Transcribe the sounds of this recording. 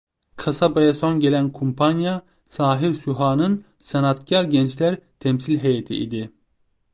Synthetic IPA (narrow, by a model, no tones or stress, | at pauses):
kʰasabajasonɟelænkʰumpʰanja | saːɦiɾsuɦaːnɯn | senat̪cʰaɾɟɛnt͡ʃlæɾt̪ʰɛmsilʲɦejet̪ʰḭʔḭd̪i